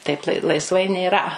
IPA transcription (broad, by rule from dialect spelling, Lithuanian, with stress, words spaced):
ˈtɐɪp lˠɐɪ lˠɐɪsˈʋɐɪ nʲeːˈrɐ